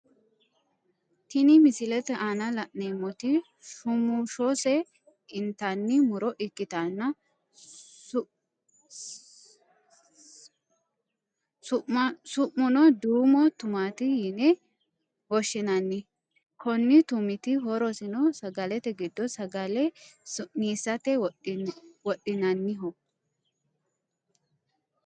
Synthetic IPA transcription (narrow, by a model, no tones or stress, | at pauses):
t̪ɪnɪmɪsɪlɛt̪ɛʔaːnɐlɐʔneːmːɔt̪ɪ | ʃʊmʊʃosɛ | ɪnt̪anːɪmʊɾɔʔɪkːɪt̪anːɐ | sʊsʊʔʊnɔd̪uːmɔt̪ʊmaːt̪ɪhɪnɛ | wɔʃːɪnɐnːɪ | kʰɔnːɪt̪ʊmɪt̪ɪɦɔɾɔsɪnɔsɐɡɐlɛt̪ɛɡɪd̪ːɔsɐɡɐlɛsʊʔniːsɐt̪ɛwɔ | wɔɗːɪnɐnːɪɦɔ